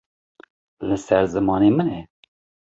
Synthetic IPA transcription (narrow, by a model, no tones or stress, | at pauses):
lɨsɛɾzɨmɑːneːmɨnɛ